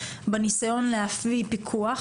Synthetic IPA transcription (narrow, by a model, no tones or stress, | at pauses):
benisajo̞nleaflipikʰuaχ